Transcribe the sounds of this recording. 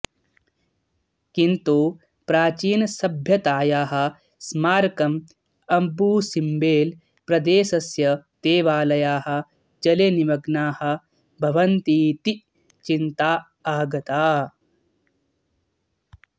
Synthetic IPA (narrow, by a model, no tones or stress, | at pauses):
kint̪u | pɾaːt͡ʃiːnɐsɐbʱjɐt̪aːjaːɦɐ̆ | smaːɾkɐm | ɐmbuːsimbeːl | pɾɐd̪eːsɐsjɐt̪eːʋaːlɐjaːɦɐ̆ | d͡ʒɐleniʋɐɡnaːhɐ̆ | bʱɐʋɐnt̪iːt̪i | t͡ʃint̪aː | aːɡɐt̪aː